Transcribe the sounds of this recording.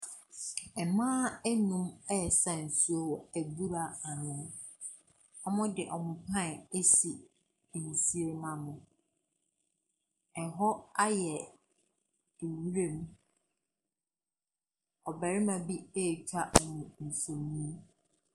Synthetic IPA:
ɛ˨mãː˦ɛ˦nũ˦mɛ˦˨sã˦˨n̩˨su˦o˦æ˨bu˦ɾa˨a˨nʊ̃˨ | ɔ˦mʊ̃˦dɪ˨ʔɔ˨mʊ̃˨pʰã˦˨e˦si˨ | n̩˨si˦e˦mã˨nʊ̃˨ | ɛ˨ɦɔ˦a˦jɛ˨ | e˨wɾẽ˦m˦ | ɔ˨bæ˨ɾɪ˦mã˨bi˦e˦˨t͡ɕᶣa˦ʔɔ˨nʊ̃˨n̩˨so˨niĩ˦

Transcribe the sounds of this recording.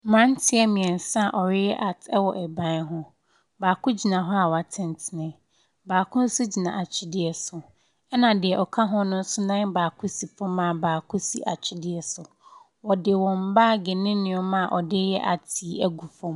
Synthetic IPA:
mã˦n˦tʰɪ˦ɛ˦mɪ̃˨ɛ̃˨n˨sa˦˨ʔɔ˨ɾɪ˦jɛ˦ʔa˨tʰɛ˦wɔ˨ʔɛ˨bã˦ɦʊ̃˦ | baː˨kʰʊ̃˦d͡ʑi˨nã˨ɦɔ˦a˨wɔ˨a˨tʰɪ̃˦˨n˨˦tʰɪ˨nɪ̃˦ | baː˨kʰʊ̃˦n̩˦su˦d͡ʑi˨nã̰˨a˨t͡ɕʰɪ˦dɪ˨ɛ˨sʊ˨ | ɛ˦nã˨dɪ˨ɛ˨ʔɔ˨kʰa˦ɦʊ̃˦nʊ̃˦n̩˦sʊ˦nã˦n˦baː˨kʰʊ˦si˨fɔ̃˦mã˨baː˨kʰʊ˦si˦ʔa̰˨t͡ɕᶣʰɪ˦dɪ˦ɛ˨sʊ˨ | wɔ˨dɪ˨wɔ̃˨m̩˨˦baː˦˨ɡɛ˨nɪ̃˦nɪ̃˨ɔ˦mã˦˨ʔɔ˨dɪ˦jɛ˦ʔa̰˨tʰi˨˦æ˦ɡu˨fɔ̃˦m

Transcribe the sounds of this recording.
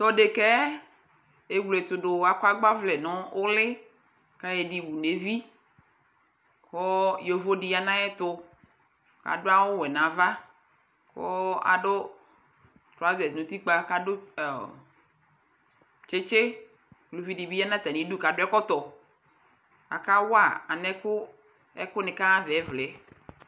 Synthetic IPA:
t̪ɔ˦ɖe˨kɛ˦ | e˨ɡlo˨e˨t̪ʊ˨ɖo˨wa˨ka˦ɡ͡ba˦vlɛ˨nɔ̃˦wo˦lɪ˦ | ka˦jɛ˨ɖi˨wu˨ne˨vi˦ | ko˦jo˨vo˦ɖi˦ja˦nã˦jɛ˦t̪ʊ˦ | ka̰˨ɖo˦a˦wo˦wɛ˨nã˨va˦ | ko̰˦a̰˨ɖo˦ | t̪ɾɔ˨a˦zɛ˨nũ˨t̪i˦k͡pa˦ka˦ɖʊ˦˨ | t͡ʃe˦t͡ʃe˦ | klu˨vi˦ɖi˨bi˦ja˦nã˦t̪a˨nĩ˨˦du˦ka˨ɖʊ˦ɛ˦kɔ˦t̪ɔ˨ | a̰˨ka˦wa˨a̰˨nɛ˦kʊ˦ | ɛ̰˦kʊ˦nẽ˨ka˦a˦vɛ˨ɛ˦vlɛ˨˦

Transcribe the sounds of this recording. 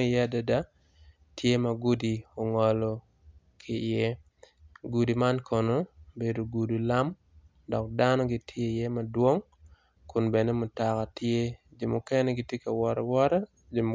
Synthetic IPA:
jɛ˦a˨da˨da˦ | tje˦ma˨ɡu˦di˨o˨ŋɔ˨lɔ˨ | kʰɪ˨je˦ | ɡu˨di˨ma˦nkʰɔ˨no˦be˨do˨ɡu˨du˨la˦m | dɔ˨k̚da˦nɔ˦ɡi˨tʰje˦je˦ma˨dwo˦ŋ | kʊ˨nbe˨ne˦mʊ˨ta˨ka˨tje˦d͡ʒi˨mo˨kɛ˦nɛ˦ɡi˦tje˦ka˨wɔ˨ɾɛ̰˨wɔ˦ɾa˦ | d͡ʒm

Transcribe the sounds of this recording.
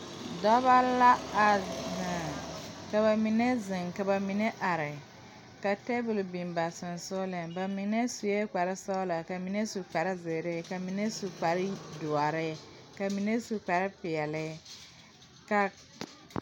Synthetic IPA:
dɔ˦ba˦la˦a˨na˨ka˨βa˨mi˨ne˦zɪ˨ŋka˨ba˨mi˨ne˦ʔa˨ɾɪ˨ | ka˨tɛ˦bʊ˨lbi˨mba˨sʊ˨n˨sʊ˦lɛ˨ba˨mi˨ne˦su˨je˦k͡pa˨ɾɪ˦sa˦la˨ka˨mi˨ne˦su˨k͡pa˨ɾɪ˦ze˨ɾe˦˨ka˨mi˨ne˦su˨k͡pa˨ɾɪ˦dʊ˨a˨ɾɪ˦ | ka˨mi˨ne˦su˨k͡pa˨ɾɪ˦pɪ˨ɛ˨lɪ˦ | ka˨

